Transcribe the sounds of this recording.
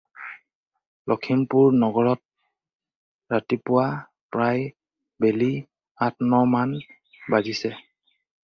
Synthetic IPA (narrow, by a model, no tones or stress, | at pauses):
lʔɔkʰimpuɹnɔɡɔɹɔt̚ | ɹatipʊwa | pɹaj | beli | atnɔman | bazisɛ